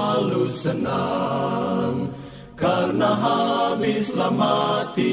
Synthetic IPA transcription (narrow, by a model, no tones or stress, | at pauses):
lusəna | ŋ | kaɾnaɦabislamat̪i